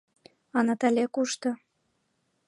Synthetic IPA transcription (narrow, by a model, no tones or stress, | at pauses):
ɑnɑt̪ælʲekuʃt̪ɤ̆